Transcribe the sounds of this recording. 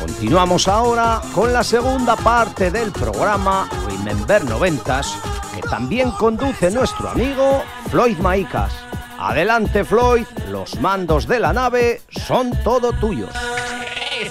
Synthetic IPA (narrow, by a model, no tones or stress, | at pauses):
ko̞̰nt̪inwamo̞saoɾako̞nlase̞ɣ̞und̪apaɾt̪e̞ðe̞lpɾo̞̰ɣ̞ɾamaḛmẽ̞mbe̞ɾno̞βe̞nt̪aske̞t̪ambje̞ŋko̞nd̪uθe̞nwe̞st̪ɾoa̰miɣ̞o | flo̞jðmaika̰s | a̰ðe̞lant̪e̞flo̞jðlo̞̰zmãnd̪o̞zðe̞lanaβe̞ | so̞nt̪o̞ðo̞t̪uʝo̞̰s